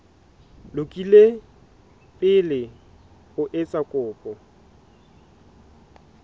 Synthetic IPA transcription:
lʊkʼile | pʼɪlɪ | ʊʔɪt͡sʼakʼʊːpʼɔ

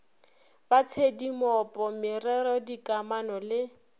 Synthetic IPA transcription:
bat͡sʰedimɔpʼɔmɪrɛɾɔdikʼamanɔlɪ

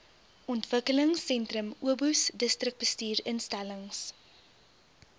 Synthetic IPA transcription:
ɔntv̥əkələŋsːɛntrəmuəbusdəstrək̚b̥əstyːrənstæləŋs

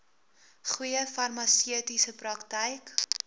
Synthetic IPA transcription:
χujəfɐrmɐsiətisəprɐktəjk

